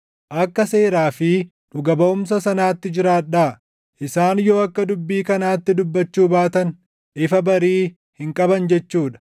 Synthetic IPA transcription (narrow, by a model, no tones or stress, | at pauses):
ʔɐkːɐse̞ːɾaːfɪ | nʊɡɐbɐʊms̬ɐsɐnaːt̪ːɪd͡ʒɪɾaːᶑaː | ʔɪsaːnjo̞ːɐkːɐd̪ʊbːiːkɐnaːt̪ːɪd̪ʊbːɐt͡ʃːuːbaːt̪ɐn | ʔɪfɐbɐɾiː | hɪŋkʼɐbɐnd͡ʒɛt͡ʃːuːᶑɐ̥